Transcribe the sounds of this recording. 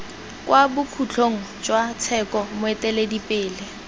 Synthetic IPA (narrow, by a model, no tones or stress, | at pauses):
kwabʊkʰut͡ɬʰoŋ̩ | d͡ʒwat͡sʰɛkɔmʊɛtɛledipʼɪːlɪ